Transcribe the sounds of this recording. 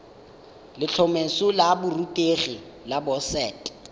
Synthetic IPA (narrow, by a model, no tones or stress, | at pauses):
lɪt͡ɬʰɔmesʊlabʊrutʼeχi | labɔsɛːtʼ